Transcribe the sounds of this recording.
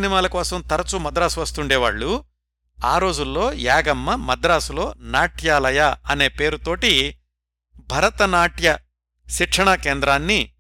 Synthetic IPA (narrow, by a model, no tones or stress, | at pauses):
nimaːlɐkɔːsɐmt̪ɐɾɐt͡ʃumɐd̪ɾaːsuʋɐst̪uɳɖɛːʋa̰ːɭːu | aːɾo̞ːd͡ʒulːo̞ːjaːɡɐmːɐmɐd̪ɾaːsulo̞ːnaːʈjaːlɐjaɐne̞ːpe̞ːɾut̪o̞ːʈi | bʱɐɾɐt̪ɐnaːʈjɐ | ʃiʈʂʰɐɳɐkeːnd̪ɾaːnːi